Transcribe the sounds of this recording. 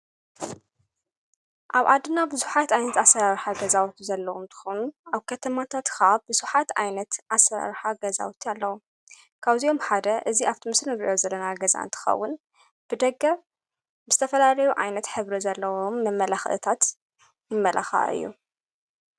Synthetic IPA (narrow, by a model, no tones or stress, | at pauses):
ʔaβʕa̰d̪ɨnːabɨzuħat̪ʔajnɐt̪asɐɾaɾħaɡɐzawt̪zɐlːɐwomt̪ʰɨ̥xonuʔaβkʰɐt̪ʰɐmat̪ʰat̪kabɨz̥uħat̪ajnɐt̪ʔasɐɾa̰ɾħaɡɐza̰wt̪ʰialːɐwu | kʰaβzijo̞mħad̪ɐʔɨziʔaβt̪ʰimɨsɨnɨɾiʔjo̞zɐlːɐnaɡɐza̰ʔɨ̰nt̪ʰɨ̥xɐ̰wːʊn | b̥ɨd̪ɐɡːɐ | bɨzɨ̥t̪ʰɐfɐlalɐjuʕa̰jnɐt̪ħɨβɾizɐlːɐwomːɐmːɐlaxʔɨ̰t̪ʰat̪ | jɪmːɐlʔa̰xa̰ʔɨ̰jːṵ